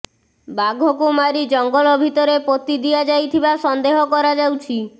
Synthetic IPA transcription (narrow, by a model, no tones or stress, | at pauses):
baɡʱɔkumaɾid͡ʒɔŋɡɔlɔbʱit̪ɔɾepot̪id̪iad͡ʒajt̪ʰibasɔnd̪eɦɔkɔɾad͡ʒawt͡ʃʰi